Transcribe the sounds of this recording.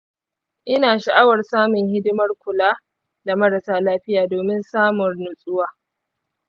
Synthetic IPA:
ʔɪ˦naː˨ʃa˨ʔa˦wɐ˨rsaː˦mʊ˨ŋhɪ˦dɪ˦mɐ˦rkʷʊ˨laː˦ | da˨mɐ˦ɾa˨saː˦laː˦ɸɪ˦jaː˨doː˨mɪ˦nsaː˦mʊ˨rnʊ˨sʼʊ˦waː˦

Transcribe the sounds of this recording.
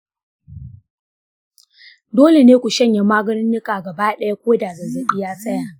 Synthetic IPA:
doː˦le˨neː˦kʷu˨ʃɐ˦ɲja˨maː˦ɡɐ˦nɪ˦nːɪ˦kʼaː˨ɡɐ˨baː˦ɗɐ˦ja˦kʷoː˦daː˨zɐ˨zɐ˨bɪ˦jaː˦sɐ˦jaː˨

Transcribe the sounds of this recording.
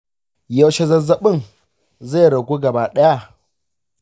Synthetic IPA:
jɐ˦wʃe˦zɐ˦zɐ˦ɓɪ˦ŋ | za˦˨ɾɐ˨ɡʷuː˦ɡɐ˨baː˦ɗɐ˦ja˦˨

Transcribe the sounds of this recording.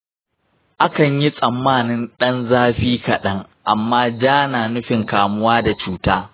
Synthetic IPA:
ʔa˦kɐ˨ɲji˦sʼɐ˨mːaː˦˨nɪ˦nɗɐ˦nzaː˦ɸiː˦kɐ˨ɗɐ˦ŋʔa˨mːaː˦d͡ʒaː˦naː˨nʊ˦ɸɪ˨ŋkaː˨mʊ˦waː˦da˨t͡ʃuː˦taː˦

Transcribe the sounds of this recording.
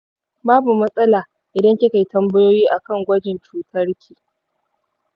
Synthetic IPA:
baː˦bu˨mɐ˦sʼɐ˦laː˨ | ʔɪ˨dɐ˦ŋkʲɪ˦ka˨jtɐ˦mbɐ˦joː˦jiː˦ʔa˨kɐ˦˨ŋɡʷɐ˦d͡ʒɪ˨nt͡ʃuː˨tʰɐ˦rkʲʰiː˨

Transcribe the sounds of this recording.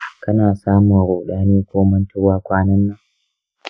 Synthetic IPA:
kɐ˦naː˨saː˦mu˨ɾoː˨ɗaː˦niː˦kʷoː˦mɐ˦ntʊ˦waː˦kʷaː˦nɐ˦nːa˨

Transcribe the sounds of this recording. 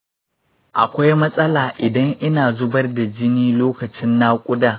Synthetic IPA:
ʔa̰˨kʷa˦jmɐ˦sʼɐ˦laː˨ʔɪ˨dɐ˦ŋʔɪ˦naː˨zʊ˦bɐ˦rda˨d͡ʒɪ˦niː˦loː˦kɐ˨t͡ʃɪ˦nːaː˦kʷʼʊ˦daː˦˨

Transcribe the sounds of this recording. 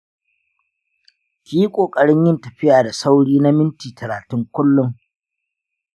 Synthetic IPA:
kʲiː˦kʷʼoː˨kʼɐ˨ɽɪ˦ɲjɪ˦ntɐ˨ɸɪ˦jaː˨da˨sa˦wɽiː˦na˦mɪ˦ntiː˨tɐ˨ɾaː˨tɪ˦ŋkʷʊ˦lːʊ˦ŋ

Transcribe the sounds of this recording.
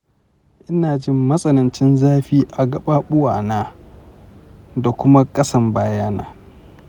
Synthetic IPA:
ʔɪ˦naː˨d͡ʒɪ˦mːɐ˦sʼɐ˦nɐ˨nt͡ʃɪ˦nzaː˦ɸiː˦ʔa˨ɡɐ˦ɓa˦ɓʊ˦waː˨naː˦ | da˨kʷʊ˦ma˦kʼɐ˦sɐ˦˨mbaː˦jaː˦na̰ː˦

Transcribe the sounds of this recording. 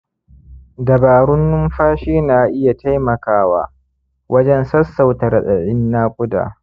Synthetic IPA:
dɐ˨baː˨ɾʊ˦nːʊ˦mɸaː˦ʃiː˦naː˨ʔɪ˦ja˨ta˦jmɐ˨kaː˦wa̰ː˦ | wʔɐ˦d͡ʒɛ˦nsɐ˦sːa˨wtɐ˨rɗɐ˨ɗɪ˦nːaː˦kʷʼʊ˦da̰ː˨

